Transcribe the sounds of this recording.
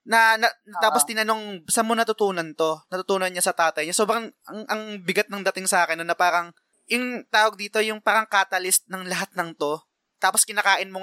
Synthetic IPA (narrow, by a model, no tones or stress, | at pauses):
nɐnɐnɐt̪aːpo̞st̪ɪnɐno̞ŋsɐmonɐt̪ʊt̪uːnɐnt̪o̞nɐt̪ʊt̪uːnɐnɲasɐt̪aːt̪ɐjɲaso̞ːbɾɐŋɐŋʔɐŋbɪɡat̪̚nɐŋd̪ɐt̪ɪŋsɐʔaːkɛnːonːɐpaːɾɐŋ | jʊŋt̪aːwɐɡ̚d̪iːt̪ojʊŋpaːɾɐŋkaːt̪ɐlɪst̪̚nɐŋlɐɦat̪̚nɐŋt̪o̞ | t̪aːpo̞skɪnaːkaːʔɪnmo